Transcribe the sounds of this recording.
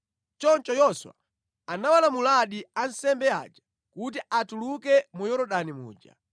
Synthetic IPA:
t͡ʃɔnt͡ʃɔjɔswa̰ | anawalamulaɗiansɛmbɛa̰d͡ʒḁ | kut̬iʔatulukɛmujɔɾɔɗanimṵːd͡ʒa̰

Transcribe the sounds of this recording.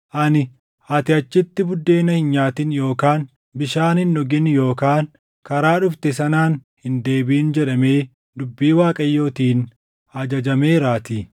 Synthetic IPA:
ʔɐnɪ | ʔɐt̪ɪɐt͡ʃːɪt̪ːɪbʊd̪ːe̞ːnɐhɪnɲaːt̪ɪnjo̞ːkaːn | bɪʃaːnɪnːɔɡɪnjo̞ːkaːn | kɐɾaːᶑʊft̪ɛsɐnaːnhɪnd̪e̞ːbiːnd͡ʒɛᶑɐme̞ː | d̪ʊbːiːwaːkʼɐjːo̞ːt̪iːn | ɐd͡ʒɐd͡ʒɐmeːɾaːt̪i

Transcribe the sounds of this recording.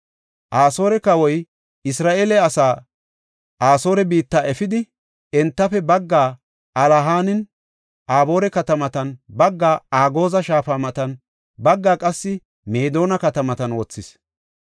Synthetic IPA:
ʔaːso̞ːɾɛkɐwɔj | ɪsɾaːʔeːlɛɐsaː | ʔaːso̞ːɾɛbiːt̪ːaːʔɛfɪd̪ɪ | ɛnt̪ːɐfɛbɐɡːaː | ɐlɐɦaːnɪn | ʔaːbo̞ːɾɛkɐt̪ɐmɐt̪ɐnbɐɡːaːaːɡo̞ːzɐʃaːfaːmɐt̪ɐn | bɐɡːaːkʼɐsːɪ | me̞ːd̪o̞ːnɐkɐt̪ɐmɐt̪ɐnwoːt͡sːɪs

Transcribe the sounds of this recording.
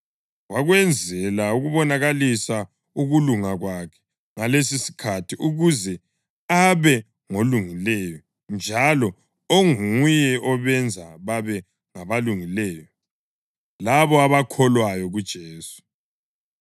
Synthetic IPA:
waɣwɛnd͡zʱɛlauɣuβɔnaɣalisa | uɣuluŋaɣwakʰɛ̥ | ŋalesisi̥kʰatʰiʔuɣuzɛ | aβɛ | ŋoluŋilɛjɔ | nd͡ʒʱalɔ | oŋuujɛʔɔβɛnd͡zʱaβaβɛ | ŋaβaluŋilɛːjɔ | laβɔaβakʰɔlwajɔɣud̥ʒ̥ʱeːsu̥

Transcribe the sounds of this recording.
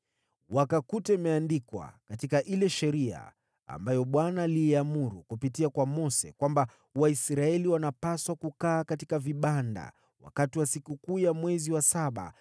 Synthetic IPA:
wakakutɛmɛandikwa̰katikaʔilɛʃɛɾia̰ː | mbajɔɓwanaːliamuɾukupitiakwamɔsɛ̰kwamba | waisɾaɛliwanapaswakukaːkatikaviɓanda̰ | wa̰katiwasikukuːjamwɛziwasaɓa̰

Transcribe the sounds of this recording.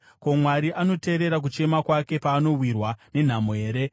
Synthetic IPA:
komwaɾiʔano̞te̞ːɾe̞ɾak̬ut͡ʃe̞makwake̞paːno̞wirwane̞n̤amoɦe̞ːɾe̞

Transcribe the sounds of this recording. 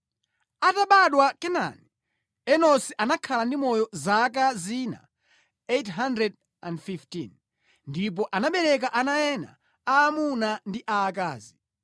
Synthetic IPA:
ataɓaɗwakɛna̰ni | ɛnɔsiʔanakʰalandimɔjɔzak̬azina̰ | etɦandɾɛd | a̰ndfiftin | ndip̬ɔʔanaɓɛɾɛk̬aʔanajɛna̰ | aːmunandiʔaːkaːzi

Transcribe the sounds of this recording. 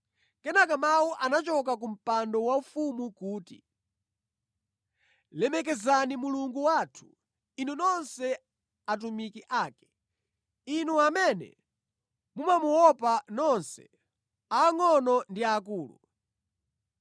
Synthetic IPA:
kɛnakamawuʔanat͡ʃɔk̬ak̬um̩pandɔwaufumukuːtḭ | lɛmɛkɛzanimuluŋɡuwaːtʰu̥ | inunɔnsɛ | at̬umikiʔaːkɛ̥ | inuamɛnɛ̰ | mumamuwɔpanɔnsɛ̰ | aːŋɔnɔndiakuːlṵ

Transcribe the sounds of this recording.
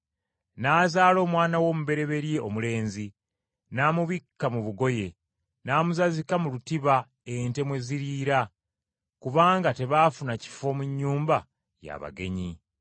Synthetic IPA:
naːzaːlo̞ːmwaːnawo̞ːmuβe̞ɾe̞βe̞ɾjeo̞mule̞ːnzi | naːmuβikːamuβuɡo̞je̞ | naːmuzazikamulutiβa | ente̞mwe̞ziɾiːɾa | kuβaːŋɡate̞βaːfunaci̥fo̞ːmuɲːuːmba | ja̰βa̰ɡe̞̰ɲi

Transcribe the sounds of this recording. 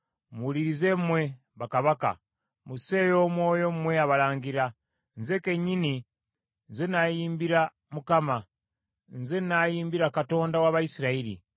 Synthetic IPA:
muliɾize̞mmwe̞ | βakaβaka̰ | muse̞jo̞ːmwo̞ːjo̞mmwe̞aβalaːŋɡiɾa | nze̞keɲini | nzenajiːmbiɾa | mukama | nze̞najiːmbiɾakato̞ːndawaːβaisiɾaiɾḭ

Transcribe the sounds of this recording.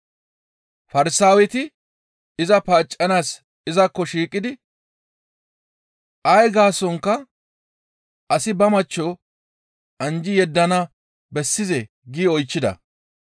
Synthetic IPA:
fɐɾɪsaːwɛt̪ɪ | ɪzɐpaːt͡ʃʼːɐnaːs | ɪzɐkːɔʃiːkʼːɪd̪ɪ | ʔɐjɡaːsɔŋkːɐ | ʔɐsɪbɐmɐt͡ʃːɔ | ʔɐnd͡ʒɪjɛd̪ːɐnɐ | bɛsːɪzɛ | ɡiːɔjt͡ʃːɪd̪ɐ̰

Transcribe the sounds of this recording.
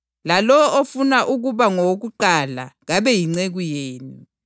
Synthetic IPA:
lalɔofunaʔuɣ̬uβaŋok̬uǃala̰ɣaβɛjiŋ͡ǀeɣujeːni

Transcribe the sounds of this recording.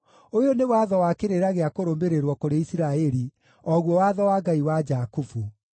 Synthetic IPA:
ojonewaðɔwakeɾeɾaɣeakoɾoːmbeɾeɾwɔkoɾeisiɾaɛɾi | ɔɣwɔwaðɔwaːɡaiwad͡ʒakufu

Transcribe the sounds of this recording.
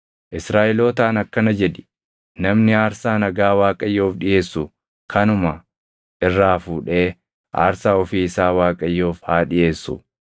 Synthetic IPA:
ʔɪsɾaːʔɪloːt̪aːnɐkːɐnɐd͡ʒɛᶑɪ̥ | nɐmnɪaːɾsaːnɐɡaːwaːkʼɐjːo̞ːfᶑɪje̞ːsːʊ | kʰɐnʊmɐ | ʔɪrːaːfuːᶑe̞ː | ʔa̰ːɾsaːɔfiːɪsaːwaːkʼɐjːo̞ːfhaːᶑɪʔe̞ːsːʊ̰

